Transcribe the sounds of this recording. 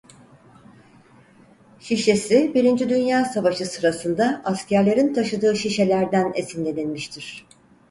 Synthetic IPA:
ʃiʃe̞sibiɾind͡ʒid̪ynjaːsavaʃɯsɯɾasɯnd̪aascʰæɾlʲe̞ɾint̪ʰaʃɯd̪ɯːʃiʃe̞lʲæɾd̪ænesind̪ʲed̪inʲmiʃt̪ʰiɾ̥

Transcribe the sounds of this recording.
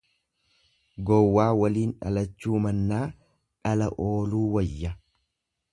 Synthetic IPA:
ɡɔwːaːwɐliːnᶑɐ̰lɐt͡ʃːuːmɐnːaː | ᶑɐlɐʔo̞ːluːwɐjːɐ

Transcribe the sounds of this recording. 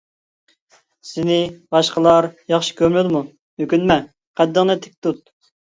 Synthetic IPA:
sɪnɪbɑʃqəlˠɑɾjɑχʃi̥kʲʰømlyd̪ɪmu | mykʲynmɛ | qʰɛd̪ːəŋnɨt̪ʰɪ̥k̚ʲt̪ut̪̚

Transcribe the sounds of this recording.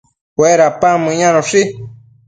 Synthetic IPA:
weɾapamɨ̃ɲãɾõʂi

